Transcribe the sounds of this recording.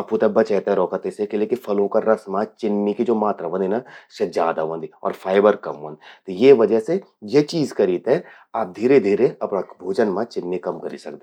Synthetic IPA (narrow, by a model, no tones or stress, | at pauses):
aput̪abɐt͡ʃɛt̪ɛɾɔːkət̪esekelekifʰɐlõkaɾɐsmãt͡ʃɪnːikid͡ʒoːmaːt̪ɾaʋə̃nd̪inased͡ʒa̰ːd̪aʋɐ̃nd̪iɔ̰ːɾfʰaːɪbəɾkɐmʋɐ̰̃nd̪t̪jeʋɐd͡ʒəse | jet͡ʃiːzkɐɾit̪ɦɛ̃ | aːp̚d̪ʱiːɾed̪ʱiːɾeɐpnabʱoːd͡ʒənmãt͡ʃɪnːikɐmkɐɾḭsɐ̰kd̪e